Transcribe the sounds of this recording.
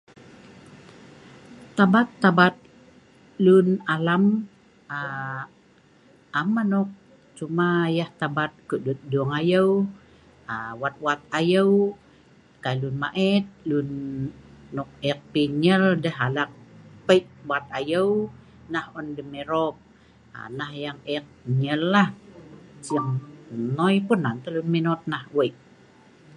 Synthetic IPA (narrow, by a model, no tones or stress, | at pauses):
t̪abat̪ːabat̪̚ | lunalam | a | amanɔk̚ | t͡ʃumajaht̪abat̪̚kəʔdut̪̚duŋajəw | awat̪̚wat̪̚ajəw | kajlunma̰ʔɛt̪̚lunː | ɔk̚ɛk̚piɲəldəɦalak̚pəʔwat̪̚ajəw | nahɔndəmeɾop̚ | a̰nahjaŋɛk̚ɲəlːah | səŋnojpunːant̪əlunminɔt̪̚nahwəʔ